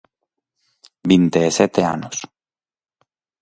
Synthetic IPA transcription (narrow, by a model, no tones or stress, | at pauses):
bint̪eːset̪ea̰nos